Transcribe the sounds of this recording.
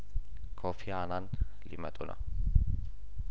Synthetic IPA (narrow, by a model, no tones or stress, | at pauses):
kʰofɪjaːnaːn | lɪ̰mɐ̰t̪ʼʊnʔɐ̰